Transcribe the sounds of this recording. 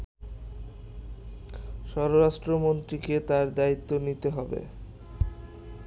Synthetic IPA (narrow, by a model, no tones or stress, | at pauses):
ʃɔɾoɾaʃʈɾomont̪ɾiket̪aɾd̪ait̪ːonit̪eɦɔbḛ